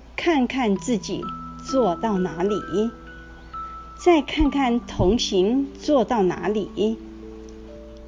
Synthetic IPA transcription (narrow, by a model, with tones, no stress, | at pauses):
kʰa˥˧nkʰa˥˧nt͡sɹ̩˥˩t͡ɕi˨˩˦t͡swɔ˥˧t̪ɑ˥˩ʊna˧˥li˨˩˦ | t͡sa˥˧ɪkʰa˥˧nkʰa˥˩nt̪ʰʊ˧˥ŋɕi˧˥ŋt͡swɔ˥˧t̪ɑ˥˩ʊna̰˧˥li˨˩˦